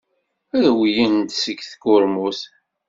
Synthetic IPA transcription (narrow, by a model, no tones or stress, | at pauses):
æðwjint̪səkːθkːʊɾmuθ